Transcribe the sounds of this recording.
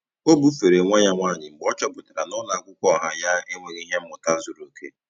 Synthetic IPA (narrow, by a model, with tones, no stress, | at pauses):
o˦bu˦fe˨ɾe˨ŋʷa˦ɲa˦ŋʷaː˦˨ɲɪ˨ŋ͡m̩˨ɡ͡bɔ˦t͡ʃɔ˦bʊ˨ta˨ɾa˨nʊ˦na˨˦kʷʊ˦kʷɔ˦˨ɦa˨ja˦e˦ŋʷe˨ɣi˦ɦe˦m̩˦mʊ˨ta˦zu˨ɾo˨kʰḛ˦